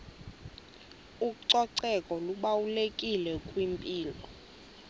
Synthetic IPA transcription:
uǀɔǀɛkʼɔluɓawulekʼilɛkʼwimpʼiːlɔ

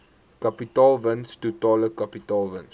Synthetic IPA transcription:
kɐpitɑːlˠvənstutɑːləkɐpitɑːlˠvəns

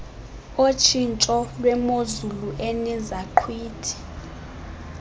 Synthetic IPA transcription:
ot͡ʃʰint͡ʃʼɔlwɛmozuluʔɛnɛzaǃʰwiːtʰi̥

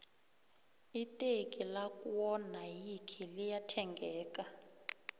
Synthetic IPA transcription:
itʼekʼilakʼuwɔnajikʰilijatʰɛŋɡʱɛːk̬ʼa

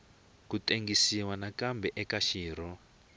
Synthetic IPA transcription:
kutʼeŋɡisiwanakambɛʔɛkaʃiːɾɔ

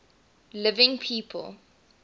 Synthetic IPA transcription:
lɪvɪ̃ŋpʰiːpʰə̰lˠ

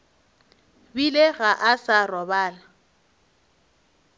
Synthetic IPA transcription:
bileɣaʔasarɔbaːla

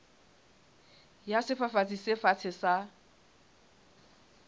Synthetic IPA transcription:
jasɪfafat͡sʼisɪfat͡sʰɪsa

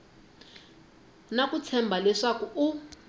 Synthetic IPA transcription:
nakut͡sʰɛmbʱalwɛʂakuː

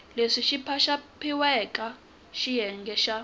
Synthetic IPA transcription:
leʂiʃipʰaʃapʰiwɛkʼa | ʃijɛŋɡɛʃa

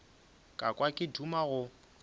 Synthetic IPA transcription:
kʼakʼwakʼɪdumaɣʊ

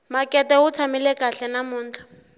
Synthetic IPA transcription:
makʼɛtɛhʊt͡sʰamɪlɛkʼaɬɛnamʊːn̩ːt͡ɬʰḁ

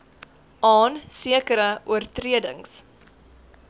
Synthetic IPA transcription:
ʔɑːnsiəkəɾəʔuərtriədəŋs

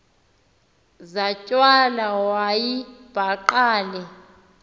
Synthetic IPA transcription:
zat͡ʃʼwalawajib̥ʱaǃaːlɛ

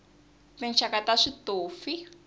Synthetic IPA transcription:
tɛnt͡ʃʰakataʂitoːfi

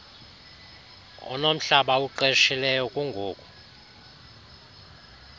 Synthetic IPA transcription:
ɔ̰nom̩ɬaɓauǃeʃilɛjɔkʼuŋɡʱoːkʼu

